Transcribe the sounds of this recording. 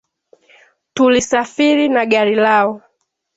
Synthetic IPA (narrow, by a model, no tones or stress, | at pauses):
tulisafiɾinaɠaɾilaɔ